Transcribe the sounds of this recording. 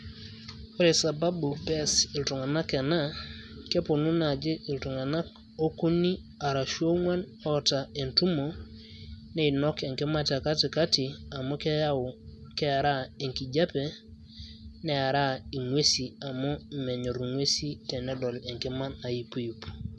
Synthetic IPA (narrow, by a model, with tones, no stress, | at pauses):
o˦ɾe˨sa˨ba˦bu˨pɛ˦sɪ˨ltu˨ŋa˨na˦kɛ˨na˦ke˦pʊ˨nu˦na˨d͡ʒɪ˦ʔɪ˨ltu˨ŋa˨na˦k | o˦ku˦ni˦ | a˨ɾa˨ʃu˦o˦ŋwa˦n | ɔ˦ta˨e˨ntu˦mo˨ | ne˦i˨nɔ˦kɛ˨ŋke˦ma˦tɛ˨ka˦ti˨ka˦ti˨a˨mo˦kɛ˦a˦˨kɛ˦a˨ɾa˦e˨ŋki˨d͡ʒa˦pe˨ | nɛ˦a˨ɾa˦i˨ŋwe˦si˨a˨mo˦mɛ˨ɲo˨ɾŋwe˦si˦tɛ˨nɛ˦dɔ˨le˨ŋke˦ma˦na˨i˦pu˦u˨p